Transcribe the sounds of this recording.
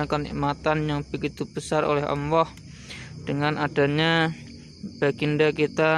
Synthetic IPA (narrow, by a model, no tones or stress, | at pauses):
akənḭʔmat̪anjaŋbəɡit̪ub̥əsarʔo̰lɛɦə̰mwɔh | d̥əŋanʔada̤ɲa | b̥aɡindakit̪a